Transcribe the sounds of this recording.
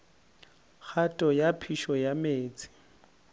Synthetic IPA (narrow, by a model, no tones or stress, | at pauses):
k͡xʰatʼɔjapʰiʃɔjameːt͡sʼɪ̥